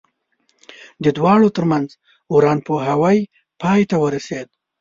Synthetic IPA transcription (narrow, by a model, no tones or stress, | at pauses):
d̪əd̪wɑɽot̪əɾmanz | uɾɑnpoɦawaj | pɑjt̪awəɾased̪̚